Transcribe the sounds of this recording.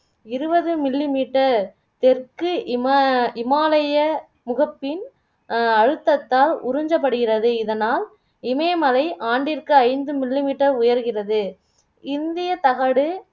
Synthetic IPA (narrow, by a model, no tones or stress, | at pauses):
ɪɾɯbɐðɯmɪlːimiːʈːɐɾ | t̪ɛrkɯmɪmaːlɐjɐ | mʊɣɐpːɪn | ɐɻɯt̪ːɐt̪ːaːlʊɾʊɲd͡ʒɐp̬ːɐɽɯɣɪrɐðɯɪðɐnaːl | ɪmɐjmɐlɐɪʔaːɳɖɪrkɯɐɪnd̪ɯmɪlːimiːʈːɐɾʊjɐɾɣɪrɐðɯ | ɪnd̪ɪjɐt̪ɐɣɐɽɯ